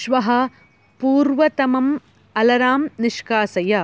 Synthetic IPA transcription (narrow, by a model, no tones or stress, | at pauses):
ʃʋɐɦɐ | puːɾʋɐt̪ɐmɐm | ɐlɐɾaːmnɪʂkaːsɐjɐ